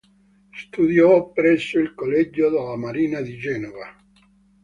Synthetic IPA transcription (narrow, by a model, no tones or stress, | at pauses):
st̪ud̪jɔpːɾɛsːoilkolːɛd͡ʒːod̪alːamaɾiːnad̪id͡ʒɛːnova